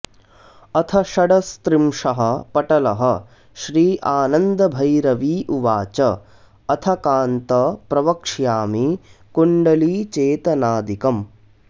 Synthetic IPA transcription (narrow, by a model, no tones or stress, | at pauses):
ɐt̪ʰɐʃɐɽɐst̪ɾimʂɐɦɐ̆pɐʈɐlɐɦɐ̆ | ʃɾiːʔaːnɐnd̪ɐbʱɐjɾɐʋiːʔuʋaːt͡ʃɐ | ɐt̪ʰɐkaːnt̪ɐpɾɐʋɐkʂjaːmikuɳɖɐliːt͡ʃeːt̪ɐnaːd̪ikɐm